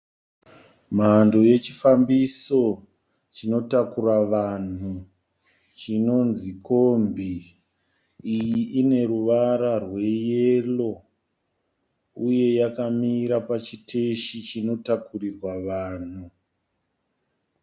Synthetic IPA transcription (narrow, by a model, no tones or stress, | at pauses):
mandoje̞t͡ʃifambiso̞ | t͡ʃino̞takuraʋan̤u | t͡ʃino̞nzikombi | ijiʔine̞ɾuʋaɾarwe̞jelo̞ | uje̞jakamiɾapat͡ʃiteʃit͡ʃino̞takurirwaʋaːn̤u